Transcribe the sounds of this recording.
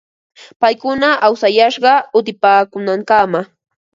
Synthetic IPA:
pajkʊnaʔawsajaʃɢɑʊt̪ɪpaːkʊnaŋkama

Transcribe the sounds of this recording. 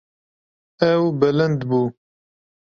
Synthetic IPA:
ɛwbɛlɛnd̪buː

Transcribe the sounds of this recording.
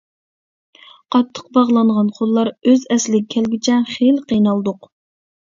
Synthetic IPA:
qʰɑt̪ʰːə̥q̚bɑʁlˠɑɴʁɑnqʰolˠːɑɾøzɛslɪɡʲkʲʰɛlɡʲɪt͡ʃʰɛχelqʰijnɑlˠd̪ʊq

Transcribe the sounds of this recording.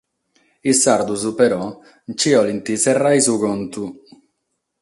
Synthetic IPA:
isːaɾd̪uzupɛɾɔ | nt͡ʃiɔlint̪isɛrːajzuɡɔnt̪u

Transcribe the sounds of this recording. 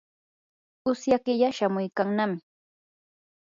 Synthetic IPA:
ʊsjakɪʎaʃamʊjkaŋnamɪ

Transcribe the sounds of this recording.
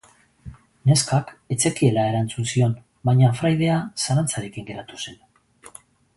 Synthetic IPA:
ne̞skake̞t͡se̞kie̞lae̞ɾant͡sunsio̞n | baɲafɾajð̞e̞asaɾant͡saɾe̞kiŋɡe̞ɾat̪use̞n

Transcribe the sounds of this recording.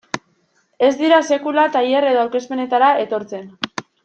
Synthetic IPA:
e̞zd̪iɾase̞kulat̪aje̞ɾeðoawke̞spe̞ne̞t̪aɾae̞t̪o̞ɾt͡se̞n

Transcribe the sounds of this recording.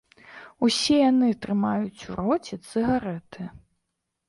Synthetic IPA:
usʲɛjanɨt̪ɾɨmajut͡sʲuɾɔt͡sʲɛt̪sɨɣaɾɛt̪ɨ

